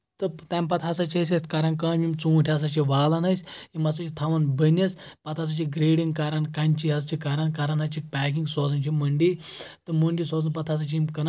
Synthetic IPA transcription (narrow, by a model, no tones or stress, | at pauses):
t̪ɨt̪ampɐt̪ʰasat͡ʃʰiɐs̬ʲet̪kaɾɐnkaːnmimt͡suːʈʲʰiasat͡ʃʰiʋaːlɐnɐsʲimɐsɐt͡ʃʰit̪ʰaʋɐnbənʲːɐspɐt̪ʰas̬ɐt͡ʃiɡɾeːɽiŋɡkaɾankɐnʲt͡ʃʰiɦɐst͡ʃʰikaɾankaɾanɦɐt͡ʃʰik̚pʲaːkiŋɡsɔːzɐnt͡ʃʰiməɳɖit̪ɨmuɳɖisɔːzɐnpɐt̪ʰaːs̬ɐt͡ʃʰiimkɐn